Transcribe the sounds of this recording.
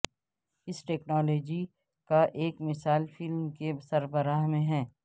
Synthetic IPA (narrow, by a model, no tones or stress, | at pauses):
ɪsʈɛːknaːloːd͡ʒi | kaʔeːkmɪsaːlfɪlmkesɐɾbəɾaːɦmẽɦɛː